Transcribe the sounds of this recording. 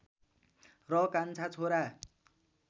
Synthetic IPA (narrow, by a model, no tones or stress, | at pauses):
rʌkant͡sʰat͡sʰoɾa